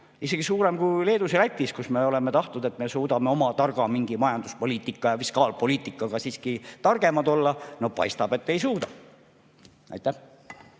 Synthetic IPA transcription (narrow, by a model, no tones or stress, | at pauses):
ise̞ɡ̥isuːɾe̞mkujle̞ːd̪uselæt̪ʲːiskusme̞o̞le̞me̞t̪ɑht̪ud̪e̞t̪me̞suːd̪ɑme̞o̞mɑt̪ɑrɡ̥ɑmiŋɡ̥imɑjɑnd̪̥uspo̞liːt̪ːˑikˑːɑjɑfiskɑːlpo̞liːt̪ˑːikːˑɑɡ̥ɑsiːskit̪ɑrɡ̥e̞mɑd̪o̞lːɑno̞pɑ̰jst̪ɑb̥e̞t̪ːe̞jsuːd̪ɑ | ɑ̰jt̪ːˑæh